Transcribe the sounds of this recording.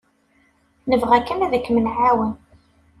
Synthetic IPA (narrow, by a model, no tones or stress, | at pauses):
nəvʁækːənæðəkːmənʕawən